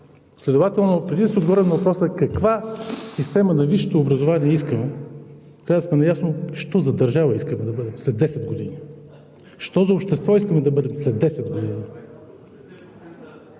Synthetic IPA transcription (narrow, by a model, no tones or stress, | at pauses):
slɛd̪ʊvat̪ɛlˠnopɾɛd̪insɛod̪ɡovɔɾɛnɐvɐpɾɔsəkɐkvasist̪ɛmənɐviʃi̥t̪oːbɾɐzʊvaniɛiskəmɛ | t̪ɾavd̪əsmɛnɐjasnoʃt̪ɔzɐd̪ɐɾʒavəiskəmɛd̪ɐbɤd̪ɛmslɛd̪ːɛsɛd̪ɡod̪ḭni | ʃt̪ɔzɐʊpʃt̪ɛst̪vɔiskəmɛd̪ɐbɤd̪ɛmslɛd̪ːɛsɛd̪ɡod̪ini